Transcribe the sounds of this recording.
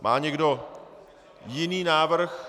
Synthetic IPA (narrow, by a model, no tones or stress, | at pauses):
mʔaːɲɛɡdo | jɪniːnaːvr̩x